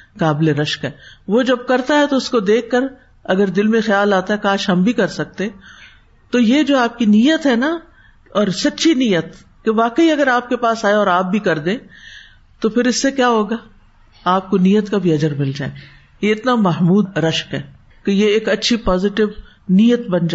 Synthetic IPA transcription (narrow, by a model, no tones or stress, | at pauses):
kaːbleɾɐʃkɦɛːʋod͡ʒɐb̚kɐɾt̪aɦɛt̪oʊskod̪eːkʰːəɾ | ɐɡəɾd̪ɪlmẽxjaːlaːt̪aɦɛkaːʃɦɐmbʱikɐɾsɐk̚t̪eɛ̃ | t̪ojed͡ʒoːaːp̚kinijət̪ɦɛna | ɔːɾsɐtːʃʰinijət̪ | keʋaːkəiɐɡəɾaːp̚kepaːsaːeɔːɾaːp̚bʱikɐɾd̪ẽː | t̪opʰɪɾɪsːekjaːɦoːɡaː | aːp̚konijət̪kabʱiɐd͡ʒəɾmɪld͡ʒa̰ːe | jeɪt̪namɐɦmuːd̪ɾɐʃkɦɛː | kejeeːkɐtːʃʰipɔːzɪʈɪʋ | niːjət̪bɐnd͡ʒa